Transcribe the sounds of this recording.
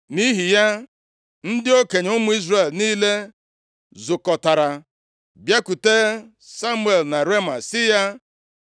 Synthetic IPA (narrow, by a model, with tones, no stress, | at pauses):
ni˦ɦi˨ja˦ | n̩˦dɪ˦o˦ke˨ɲ˦ʊ˦mʊ˦i˦zre˨lniː˦le˦ | zʊ˨kɔ˨ta˨ɾa˨ | bja˦ku˨te˦ | sa˦mu˦e˨lna˨ɾe˦ma˨sɪ˦ja˦